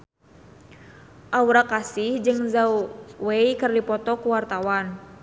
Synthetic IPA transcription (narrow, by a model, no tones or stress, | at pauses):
ʔauɾakasihd͡ʒɨŋzawwejkɨrdipɔt̪ɔkuwart̪awan